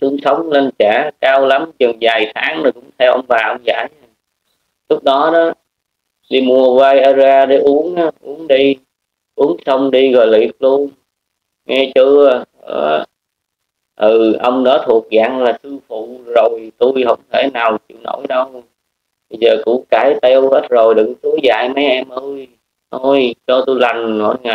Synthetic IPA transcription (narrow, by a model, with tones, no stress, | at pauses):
sɨ˨˧əŋsə˨˦wŋ͡mle˧nt͡ɕaː˧˩˦kaː˧wla˨˦mt͡ɕɨ˨˩ŋzaː˨˩jt̪ʰaː˨˦ŋnəː˨˩kʊ̰˧˥ŋ͡mt̪ʰɛ˧wʔə̰˧wŋ͡mvaː˨˩ʔə˧wŋ͡mza̰ː˧˩j | lʊ˦˥k͡p̚ɗɔ˨˦ɗɔ˨˦ | ɗi˧mu˧əwaː˧jʔaː˧zaː˧ɗe˧˩˦ʔu˨˦ənʔa˨˦ʔu˨˦əŋɗi˧ | ʔu˨˦əŋsə˧wŋ͡mɗi˧ɣɔ˨˩jlḭ˨˩ək̚lu˧ən | ŋɛ˧t͡ɕɨ˧ə̰˧ | ʔ̪ɨ˨˩ʔə˧wŋ͡mɗɔ˨˦t̪ʰu˨˩ək̚ɣa̰ː˧˩ŋlaː˨˩sɨ˧fṵ˧˨zo˨˩jt̪u˧jɦə˧˩wŋ͡mt̪ʰe˧˩naː˨˩wt͡ɕḭ˧˩˨wnʔo̰˧˩jɗə˧w | ɓjzəː˨˩kʊ̰˧˥kaː˧˩jt̪ɛ˧whe˦˥t̚zo˨˩jɗɨ˧˩˦ŋt̪u˨˦za̰ː˧˨jmə˨˦jʔɛ˧mʔə˧j | t̪ʰo˧˩jt͡ɕɔ˧t̪u˧jla˨˩jŋ̟ɔ̰˧˩ŋaː˨˩